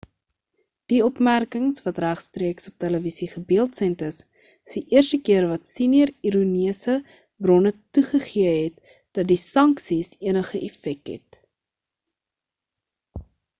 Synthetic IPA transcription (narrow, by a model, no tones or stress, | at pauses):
d̥iɔpmærkəŋsvɐtræχstriəksop̚tæləvisiχəbiəlˠtsɛntəs | əsdiʔiərstəkiərvɐtsiniəriɾuniəsə | brɔnətuχəχiəɦɛt̚ | d̥ɐt̚disɐŋksisiənəχəʔɛfɛk̚tɦɛ̰t